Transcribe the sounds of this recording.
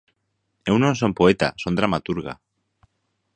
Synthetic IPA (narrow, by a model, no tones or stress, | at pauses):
ewnõns̬ompoet̪a̰sond̪ɾamat̪uɾɣ̞a̰